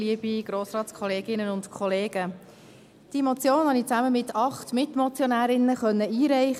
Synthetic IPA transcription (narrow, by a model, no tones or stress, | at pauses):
liəb̥iɡ̥ɾoːsɾɑːtskʰɔleːɡɪnənʊntkʰɔleːɡ̥ə | d̥iəmɔt͡sjoːnhɑnit͡sæməmɪtʰɑχtmɪtmɔt͡sjɔnæːɾɪnːəχœnːəiːɾɛɪχ